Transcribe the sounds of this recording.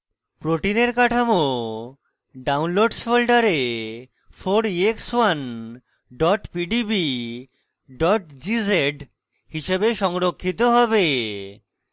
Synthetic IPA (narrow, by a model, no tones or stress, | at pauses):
pɾoʈineɾkaʈʰamo | ɖawnloɖsfolɖaɾe | fʰoɾiekswan | ɖɔʈpiɖibi | ɖɔʈd͡ʑizeʈ | hiʃebeʃɔŋɾokʰːit̪̬oɦɔbe